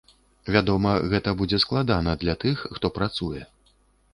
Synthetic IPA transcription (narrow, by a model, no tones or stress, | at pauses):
vʲad̪ɔmɐɣɛt̪ɐbud͡zʲɛsklˠad̪anɐd̪lʲat̪ɨxːt̪ɔpɾat̪sujɛ